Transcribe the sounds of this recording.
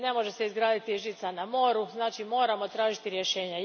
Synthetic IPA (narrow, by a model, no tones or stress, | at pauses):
ne̞mo̞ʒe̞se̞izɡɾaːd̪it̪iʒit̪sanamo̞ːɾuznaːt͡ʃimo̞ːɾamo̞t̪ɾaːʒit̪iɾje̞ʃe̞ːɲa